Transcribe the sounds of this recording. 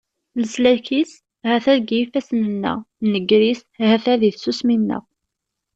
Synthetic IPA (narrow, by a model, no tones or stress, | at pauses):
nəslæçis | hæθæðɡjifæsnənːə̰nəɡɾishæθæðiθsusminːə̰ʁ